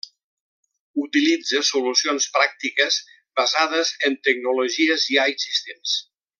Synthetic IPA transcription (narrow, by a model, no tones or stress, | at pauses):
ut̪ilid͡zəsulusionspɾak̚t̪ikəz | bazaðəzənt̪əɡ̚nuloʒiəziajsist̪ems